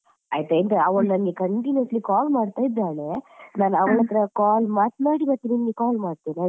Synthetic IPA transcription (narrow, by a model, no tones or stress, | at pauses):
aːjt̪ɐent̪ɐɐʋɐɭnɐnɡekɐɳʈinɐslikaːlmaːɖt̪aːjid̪ːaːɳenaːnɐʋɐɭɐt̪ːɐɾɐkaːlmaːt̪̚naːɽibɐt̪ininɡekaːlmaːɖt̪ina